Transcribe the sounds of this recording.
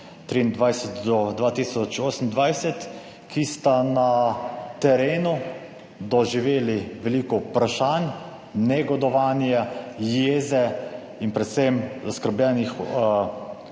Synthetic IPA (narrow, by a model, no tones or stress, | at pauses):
t̪ɾiːnd̪ʋajsɛt̪d̪ɔd̪ʋaːt̪isɔt͡ʃoːsən̩nd̪ʋajsɛt̪ | kʰist̪anat̪ɛɾeːnu | d̪ɔʒiʋeːliʋɛliːkɔpɾaʃan | nɛɡɔd̪ɔʋaːnjɛjeːzɛ | inpɾɛt̪sɛmzaskəɾblʲɛnix